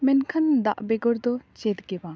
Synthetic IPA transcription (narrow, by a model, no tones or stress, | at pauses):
mɛnkʰɐnd̪a̰ʔbeɡɔɾd̪ɔt͡ʃɛt̪ɡɛba